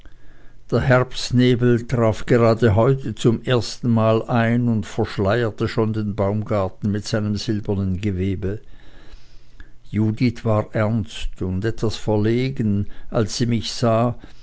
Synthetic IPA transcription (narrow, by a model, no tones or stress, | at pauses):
d̥eːɐɦɛɐpsneːbl̩tʁ̥aːfɡ̥əʁaːdəɦɔʏtət͡sʊmʔeːɐstn̩maːlʔaɪnʊntfɛɐʃlaɪɐtəʃoːndeːnbaʊmɡaɐtn̩mɪtz̥aɪnəmz̥ɪlbɐnənɡəveːbə | juːditʰv̥aːʁʔɛɐnstʊndɛtv̥asfɛɐleːɡənʔalsz̥iːmɪçz̥aː